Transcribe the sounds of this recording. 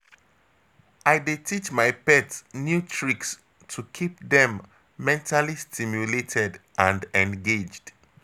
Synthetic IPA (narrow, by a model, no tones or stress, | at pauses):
ajdetʰit͡ʃmajpɛtsnjutʰɹiks | tʰukʰip̚ðɛ̃mː | ɛ̃ntʰalistʰimjuletʰɛdʔãndɛ̃nɡed͡ʒd̥